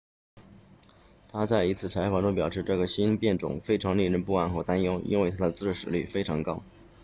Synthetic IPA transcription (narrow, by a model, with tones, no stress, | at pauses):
t̪ʰa˥t͡sa˥˩ɪi˧˥t͡sʰɹ̩˥˩t͡sʰa˧˥ɪfɑ˨˩ŋʈ͡ʂʊ˥ŋpjɑ˨˩ʊʂɻ̩˥˧ʈ͡ʂɤ˥˩ɡə˩ɕi˥npjɛ˥˩nʈ͡ʂʊ̰˨˩ŋfe˥ɪʈ͡ʂʰɑ˧˥ŋli˥˧ɻə˥˧npu˥˧a˥˩nxwt̪a˥njo˥ʊʔḭ˥nwe˥˩ɪt̪ʰa˥d̪ə˧t͡sɹ̩˥˩ʂɻ̩˨˩ly˥˩fe˥ɪʈ͡ʂʰɑ˧˥ŋkɑ˥ʊ